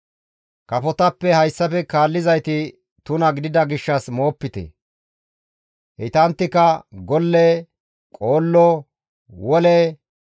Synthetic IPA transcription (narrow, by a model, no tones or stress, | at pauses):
kɐfɔt̪ɐpːɛhɐjsːɐfɛkaːlːɪzɐjt̪ɪ | t̪ʊnɐɡɪd̪ɪd̪ɐɡɪʃːɐsmo̞ːpːɪt̪ɛ̰ | hɪt̪ɐnt̪ːɪkɐɡɔlːɛ | kʼoːlːɔ | wɔlɛ